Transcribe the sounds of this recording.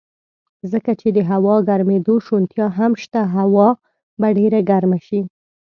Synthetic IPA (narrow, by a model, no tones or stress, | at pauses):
zəkat͡ʃed̪əɦawɑɡaɾmed̪oʃont̪jɑɦamʃt̪aɦawɑ | baɖeɾaɡaɾmaʃi